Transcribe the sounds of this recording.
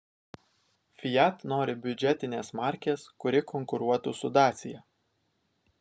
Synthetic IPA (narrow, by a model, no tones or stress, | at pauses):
fʲɪjæt̪noːɾʲɪbʲʊd͡ʒʲɛt̪ʲɪnʲeːsmɑˑɾʲkʲeːskʊɾʲɪkɔŋkʊɾuɔt̪ʊsʊd̪ɑːt̪sʲɪjɛ